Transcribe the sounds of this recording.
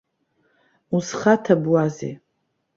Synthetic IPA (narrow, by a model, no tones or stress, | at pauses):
usχatʰabwazḛ